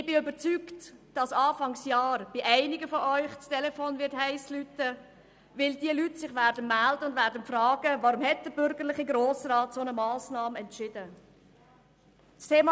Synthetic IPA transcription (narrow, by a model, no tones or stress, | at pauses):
ɪb̥ɪʏbət͡syktd̥ɑsɑːfɑŋsjɑːɾb̥ɪʔæɪnɪɡəfɔʔœʏχt͡stɛlɛfoːnvɪthæɪslytə | vɪldiəlytsɪχʋæːɾdənmældəʊndvæːɾdənfrɑːɡ̥əvɑɾumhɛt̚d̥əɾbʏɾɡəɾlɪχəɡɾoːsrɑːtsonəmɑːsnɑːmɛntʃɪd̥ə | stʰeːmɑ